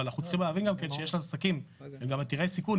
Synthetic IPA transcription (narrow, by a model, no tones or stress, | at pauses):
alanaχutt͡si̥χimleːvinɡamkenʃejeʃlasakim | emɡamat̪iʁejsikun